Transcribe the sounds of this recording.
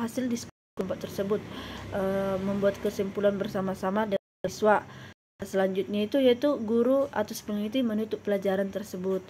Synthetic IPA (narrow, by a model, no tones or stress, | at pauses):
hasɪldisə̥k | kumpaʔt̪ərsəbʊt̪̚ʔəməmbuat̪̚kəsimpulanbərsamasamadə | iswa | səlaɲd͡ʒut̪̚ɲait̪ujait̪uɡuɾua̰t̪asə̥pəŋit̪imənut̪ʊpəlad͡ʒaɾant̪ərsəbʊt̪̚